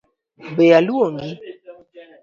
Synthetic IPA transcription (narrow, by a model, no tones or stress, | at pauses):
bejaluoŋɡi